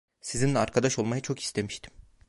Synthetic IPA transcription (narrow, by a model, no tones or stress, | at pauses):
sizinlʲɛaɾkʰad̪aʃo̞lˠmajɯt͡ʃʰo̞ki̥st̪ʰe̞miʃt̪ʰi̥m